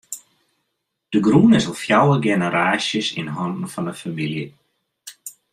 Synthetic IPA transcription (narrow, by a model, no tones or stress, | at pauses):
d̥əɡrunɪsɔlˠfjawərɡɛnəɾaːsjəsḭnɦɔndən̩fɔndəfamiljə